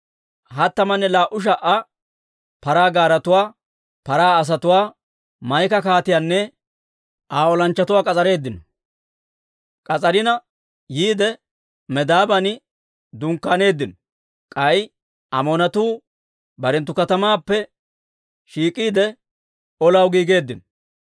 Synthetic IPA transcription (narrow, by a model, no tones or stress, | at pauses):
hɐt̪ːɐmɐnːɛlaːʔʊʃ̬ɐʔɐ | pɐɾaːɡaːɾɐt̪ʊwaː | pɐɾaːɐs̬ɐt̪ʊwaː | mɐjkɐkaːt̪ɪjaːnːɛ | ʔaːɔlɐnt͡ʃːɐt̪ʊwaːkʼɐt͡sʼɐɾe̞ːd̪ːɪnɔ | kʼɐt͡sʼɐɾɪnɐ | jiːd̪ɛ | mɛd̪aːbɐnɪ | d̪ʊŋkːane̞ːd̪ːɪnɔ | kʼɐj | ʔɐ̰monɐt̪uː | bɐɾɛnt̪ːʊkɐt̪ɐmaːpːɛ | ʃiːkʼiːd̪ɛ | ɔlɐwɡiːɡe̞ːd̪ːɪnɔ